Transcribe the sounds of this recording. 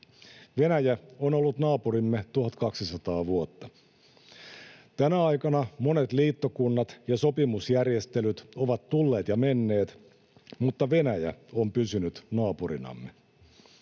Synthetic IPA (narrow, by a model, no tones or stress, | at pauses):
ʋe̞næjæonolːut̪nɑːpuɾimːet̪uhɑt̪kɑksisɑt̪ɑːʋuot̪ːɑ | t̪ænæɑjkɑnɑmo̞ne̞t̪liːt̪ːo̞kunːɑt̪jɑso̞pimusjærje̞st̪e̞lyt̪o̞ʋɑt̪tulːe̞ːt̪jɑme̞nːe̞ːt̪ | mut̪ːɑʋe̞næjæ̰o̞mpysynyt̪nɑːpurḭnɑ̰mːḛ